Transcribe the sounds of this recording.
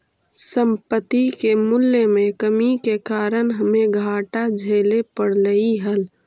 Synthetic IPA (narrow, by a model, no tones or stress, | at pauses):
sə̃mpət̪ikemʊlːemẽkəmikekaːɾənɦəmẽɡʱaːʈad͡ʒʱeːlepəɽləiɦəl